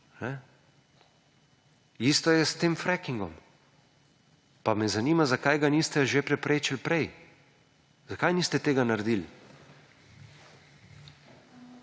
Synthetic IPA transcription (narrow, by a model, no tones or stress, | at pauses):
nɛ | ist̪ɔjɛst̪eːmfɾɛkiŋɡɔ̰m | pamɛzaniːmazakajɡaniːst̪ɛʒepɾɛpɾeːt͡ʃilpɾɛj | zakajniːst̪ɛt̪eːɡanaɾd̪il